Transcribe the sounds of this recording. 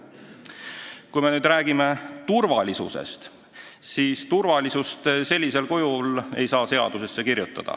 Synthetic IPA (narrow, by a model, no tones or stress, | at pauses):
kujme̞nyːd̪ɾæːɡ̥ime̞t̪urvɑlʲisṵsḛst̪ | siːst̪urvɑlʲisust̪selʲːise̞lkojule̞̰jsɑːse̞ɑ̰d̪̥use̞sːe̞kirjut̪ːˑɑd̪̥ɑ̰